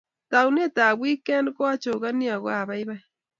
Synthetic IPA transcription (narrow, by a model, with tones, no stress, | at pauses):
ta˨un˦e˦ta˨βwi˦ke˦nkwa˦t͡ʃo˨ɣa˦ni˦a˨ɣwa˨βa˦jβa˦j